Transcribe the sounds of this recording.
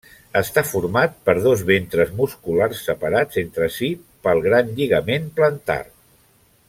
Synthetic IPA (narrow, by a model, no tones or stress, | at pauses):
əst̪afuɾmat̪̚pəɾð̞ozβent̪ɾəzmuskularsːəpəɾad͡zent̪ɾəsi | pəlˠɣɾanʎiɣəmenplənt̪a̰r